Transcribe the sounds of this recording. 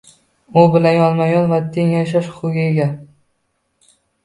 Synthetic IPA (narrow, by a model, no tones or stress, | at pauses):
ʊbɪlanjɒnˠmajɒnvat̪ʰeŋjaʃaʃʊʊɡʲaeɡʲa